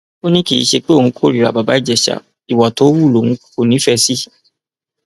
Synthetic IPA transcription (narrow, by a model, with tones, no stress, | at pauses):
o˦nĩ˦ki˦˨ḭ˨˦ʃe˧k͡pe˦õ˨ũ˨˦kʰo˦˨ɾi˨ɾa̰˨ba˨ba˨˦i˦˨d͡ʒɛ˨ʃa̰˨ | i˨wa˨to˨˦wu˦˨lo˨wũ˨˦ko˦˨nĩ˨˦fɛ˧si˦